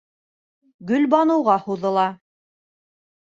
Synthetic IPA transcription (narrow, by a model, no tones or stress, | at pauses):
ɡɵ̆lbɑnɤ̆wʁɑhuðɤ̆lˠɑ